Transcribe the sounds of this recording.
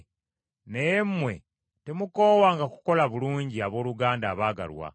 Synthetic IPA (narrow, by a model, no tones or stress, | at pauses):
nejemːwe̞̰ | temuko̞ːwaːŋɡaku̥ko̞laβuluːɲɟiaβo̞ːluɡaːndaːβaːɡa̰lwa̰